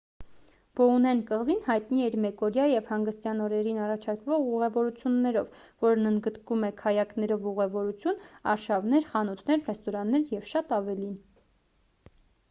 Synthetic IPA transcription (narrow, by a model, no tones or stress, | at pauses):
b̥ɔunɛnkəʁzinhɑjt̪niɛɾmɛkɔɾjɑjɛvhɑŋɡəst̪jɑnɔɾɛɾinɑrɑt͡ʃʰɑɾkvɔʁuʁɛvɔɾut͡sʰjunːɛɾɔv | vɔɾnənd̪ɡət̪kumɛkʰɑjɑknɛɾɔvuʁɛvɔɾut͡sʰjunɑ̰ɾʃɑvnɛɾχɑnut̪ʰnɛɾrɛst̪ɔɾɑnːɛɾjɛvʃɑt̪ɑvɛlin